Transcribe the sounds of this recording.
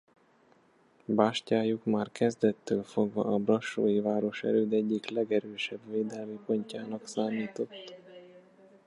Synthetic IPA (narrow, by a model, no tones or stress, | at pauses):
baːʃcaːjukmaːrkɛzd̪ɛt̪ːøːlfo̞ɡvɒ̰ʔɒbrɒʃo̰ːjivaːɾo̞ʃɛ̰ɾøːd̪ɛɟːiklɛɡɛɾøːʃɛbveːd̪ɛlmipo̞ɲcaːnɒksaːmiːt̪o̞t̪ː